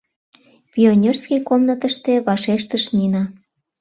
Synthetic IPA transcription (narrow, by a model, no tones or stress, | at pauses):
pʲionʲerskʲikomnət̪ə̆ʃt̪eβɑʃeʃt̪əʃnʲinɑ